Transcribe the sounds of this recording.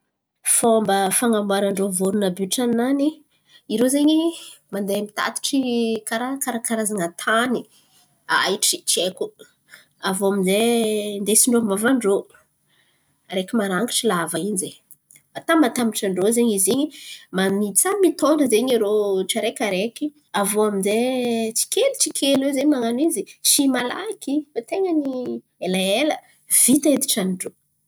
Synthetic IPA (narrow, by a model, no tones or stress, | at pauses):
fombəfaŋamaɾaɳɖ͡ʐovuɾunəbyʈ͡ʂanani | iɾozeɲimand̪eamit̪a̰t̪i̥ʈ͡ʂikaɾakaɾakaɾazaŋat̪ʰani | a̰iʈ͡ʂit͡ʃieku | avoaminzend̪esiɳɖ͡ʐomavaɳɖ͡ʐo | ɾekimaɾaŋɡi̥ʈ͡ʂilavainze | at̪amat̪amiʈ͡ʂaɳɖ͡ʐozeɲiziɲimanit͡samit̪oɳɖ͡ʐəzeɲiɾoʈ͡ʂaɾekaɾeki | avoaminzet͡si̥kʲelut͡sikʲʰelwezeɲmaŋanizit͡ʃimala̰ikifat̪eŋəni | elaelə | v̥it̪aed̪i̥ʈ͡ʂanɖ͡ʐo